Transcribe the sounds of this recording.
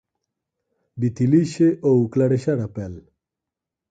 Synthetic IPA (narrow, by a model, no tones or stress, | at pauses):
bit̪iliʃeʔouklaɽeʃaɾapɛl